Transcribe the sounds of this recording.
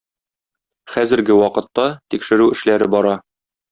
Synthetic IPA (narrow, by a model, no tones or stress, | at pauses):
χæzɘ̆ɾɡɘwɒqɤ̆t̪ːɑt̪ikʃɘ̆ɾʉɘ̆ʃlæɾɘbɒɾɑ